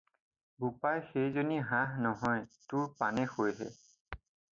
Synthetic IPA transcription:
bupajxejzoniɦãɦnɔɦɔjtʊɹpanɛxojɦɛ̰

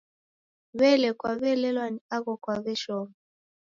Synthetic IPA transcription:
βɛlɛkwaβɛlɛlwaniaɣɔkwaβɛʃɔm

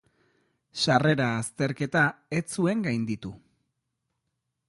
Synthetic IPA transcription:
ʃare̞ɾaːst̪e̞ɾke̞t̪aet͡sue̞ŋɡajnd̪it̪u

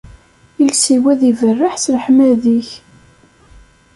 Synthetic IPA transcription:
ilsiwæðivərːaħsləħmæðiç

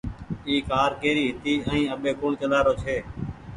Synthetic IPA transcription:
iːkaːɾkeːɾiːɦɪt̪iːʔə̃ĩːəɓeːkʊɳt͡ʃəlaːɾoːt͡ʃʰeː

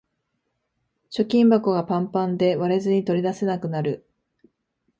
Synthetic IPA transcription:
ɕo̞kʲĩmbako̞ɡapãmpãnd̪e̞βaɾe̞zɨɲ̟it̪o̞ɾʲid̪ase̞nakɯ̟naɾɯ̟

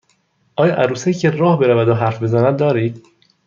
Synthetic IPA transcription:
ʔɒːjɒʔæɾuːsecʰeɾɒːhbe̞ɾævæd̪oɦæɾfbe̞zænæd̪̚ːɒːɾiːd̪̥

